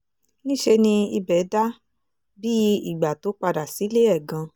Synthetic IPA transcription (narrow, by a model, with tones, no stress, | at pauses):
nĩ˦ʃe˧nĩ˧i˧bɛ˨˦da˦ | bi˦i˦˨ɡ͡ba˨to˨˦k͡pa˧da˨si˨˦le˦ɛ˦˨ɡã˧